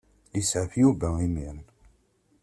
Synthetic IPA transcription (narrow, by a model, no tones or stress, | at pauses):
lisʕəfjuvæimiʁ